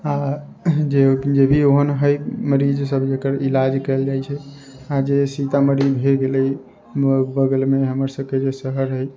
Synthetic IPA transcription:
a | d͡ʒed͡ʒebʱioɦənɦəjməɾid͡ʒsəbʱd͡ʒekəɾilad͡ʒkəeld͡ʒajt͡ʃʰɛ | ad͡ʒesit̪aməɾibʱeɡelə | əbəɡəlmeɦəməɾsəb̚ʱked͡ʒesəɦəɾɦəj

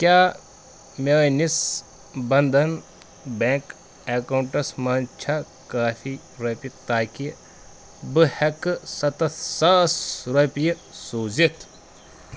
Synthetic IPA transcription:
kʲjaː | mʲeːnis | bɐnd̪ʱɐn | bẽːŋk | eːkɐwɳʈɐsmɐːnt͡ʃʰɐ | kaːfi | ɾɐpit̪aːki | bɨhɐkɨsɐt̪ɐt̪ʰsaːsɾɐpʲijsoːzit̪ʰ

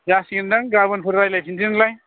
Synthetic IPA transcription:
d͡ʒasɡindaŋɡabɯnpʰɯɾɾajlajpʰintinlaj

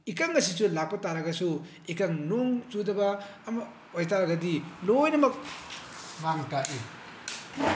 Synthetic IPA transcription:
ikɐŋɐsisulak̚pɐtaɾɐɡɐsu | ikɐŋnuŋt͡ʃudɐbɐːmɐ | ojtaɾɐɡɐdilojnɐmɐk̚ | maŋtaʔi

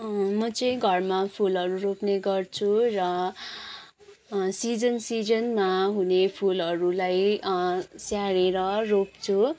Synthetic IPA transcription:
mʌt͡sʌĩɡʱʌrmapʰulʌɾuɾopneɡʌrt͡sʰurʌ | sid͡zʌnsid͡zʌnmaɦunepʰulʌɾulaj | sjaɽeɾʌropt͡sʰu

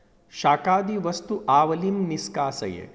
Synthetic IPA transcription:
ʃaːkaːd̪iʋɐst̪uʔaːʋɐlimniskaːsɐ̰jḛ

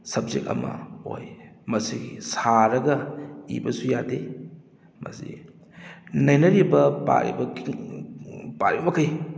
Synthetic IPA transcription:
sɐb̚zek̚tɐ̰mɐ̰o̰jmɐsiɡisaɾɐɡɐḭbɐsujade | mɐ̰sḭ | nɐjnɐɾibɐpa̰ɾḭbɐ | paɾibbɐkʰaj

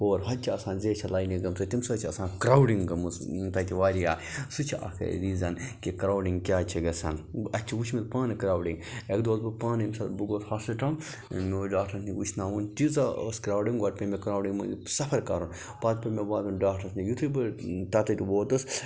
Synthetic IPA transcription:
oːɾɦɐt͡ʃʰiɐsãːnzeːt͡ʃʰɐlaːjniɡɐmsɐt̪imsɐt͡ʃʰiɐsãːnkɾaːwɖiŋɡɐmust̪ɐt̪ʲʰiʋaːɾija̰ːsut͡ʃʰiʔɐ̰kʰɐ̰ɾiːzɐnkikɾaːwɖiŋɡkʲaːt͡ʃʰiɡɐsɐ̰ːnɐt͡ʃʰiwut͡ʃʰmilpaːnɐkɾaːwɖiŋekd̪oːzbɨpaːnɐimsɐbɨɡoːt̪haːsɐʈɐm | mɖaːkʈʰɐsniwut͡ʃʰnaːwunt̪izaoskɾaːwɖiŋɡwɐʈ̚pʲemekɾaːwɖiŋmṵisɐfʰɐɾkɐ̰ɾun | paːt̪pɐmebaːd̪unɖaːkʈʰɐsnijut̪ʰɨbɨt̪ɐt̪ɐt̪iwoːt̪ɨs

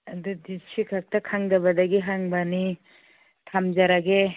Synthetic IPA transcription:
ɐd̪udisikʰak̚takʰaŋdɐbɐdaɡiɦaŋbani | t̪ʰamd͡ʒaɾaɡe

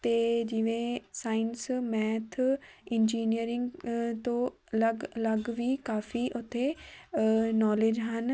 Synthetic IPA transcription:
t̪ed͡ʒɪʋẽsaːɪnsmɛːt̪ʰɪ̃nd͡ʒiːnijəɾɪ̃ŋɡt̪oɐlɐɡlɐɡʋikaːfiʔʊt̪ʰe | nɔːleːd͡ʒɦən

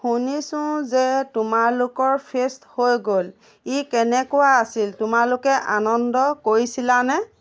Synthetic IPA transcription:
hunisʊ̃zɛtʊmaɹlʊkɔɹpʰesthojɡol | ikɛnɛkʊwaasiltʊmalʊkɛʔanɔndɔkoɹisilanɛ

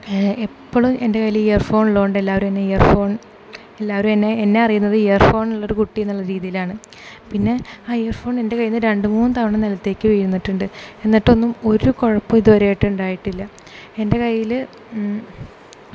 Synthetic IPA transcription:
epːoɭumʔe̞nde̞kɐjliijɐrfo̞ːɳuɭːoːɳɖɨelːaːʋɐɾumenːe̞ejɐrfo̞ːɳ | elːaːʋɐɾume̞nːe̞ːnːe̞ɐrijunːɐðɨejɐrfo̞ːɳuɭːo̞ɾukuʈːijenːuɭːɐɾiːðijilaːɳɨ | pinːe̞aːejɐrfo̞ːɳe̞nde̞kɐjːinːɨɾe̞ɳɖɨmuːnːɨt̪ɐʋɐɳɐmnilɐt̪ːe̞ːkːɨʋijɾunːiʈːuɳɖɨe̞nːiʈːo̞nːumo̞ɾuko̞ɻɐpːɐmiðuʋɐɾeːjiʈːɨuɳɖaːjiʈːilːɐ | e̞nde̞kɐjːil

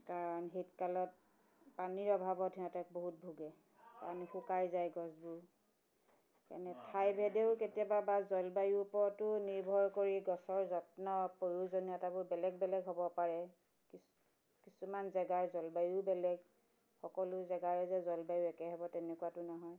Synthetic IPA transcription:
kaɹɔnɦitkalɔt̚ | paniɹɔbʱabɔtʰiatɛk̚boɦut̚bʱuɡɛ | ka̰nixukajzajɡɔsbʊ | ka̰nɛtʰajbʱɛdeʊketijababazɔlbajupɔtʊniɹbʱɔɹkoɹiɡɔsɔɹzɔtnɔpojuzonijɔtabʊɹbɛlɛɡ̚bɛlɛɡɦɔbɔpaɹɛ | kis | kisumanzɛɡaɹzɔlbajubɛlɛɡ | xɔkɔlʊzɛɡaɹɛzɛzɔlbajuɛkɛɦɛbɔtɛnɛkuwatʊnɔɦɔj

